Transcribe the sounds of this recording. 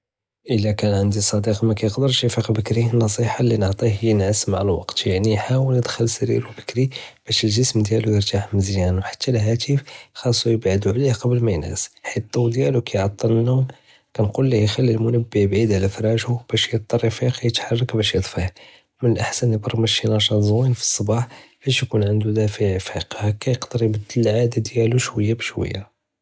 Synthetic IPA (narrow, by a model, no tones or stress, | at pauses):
ʔəlːækænʕənd̪isˤɑd̪iqmækæjəqd̪əɾʃəfiqbəkɾinːɑsˤiħɑlinəʕt̪ˤihhəjːnʕəsːmaʕalwɑ̰qt̪jaʕnijħawəlnəd̪xəlsæɾḭɾwbə̥kɾib̥æʃəlʒəsmd̪jælujəɾt̪aħməzjænwħḁt̪ːælɦæt̪əfxɑsˤːujəbʕəd̪uʕlihqɑblmæjnæ̰sħit̪ˤːuwd̪jælukæjʕɑt̪ˤːɑnːum | kænqulːihjxælːilmʊnəbːijbʕid̪ʕalæfɾˤɑʒhub̥æʃjət̪̚ˤːɑɾˤːifiqijət̪ħɑrˤːɑkbæʃjəd̪ˤfih | mənəlʔaħsænjəbɑɾˤmæʃinɑʃɑnzwinfi̥sˤːɑbɑħb̥æʃjkunʕənd̪ud̪æfiʕfiqhækæjəqd̪ɑɾjbəd̪ːəlʕad̪ad̪jæluʃwəjːabʃwə̰jːa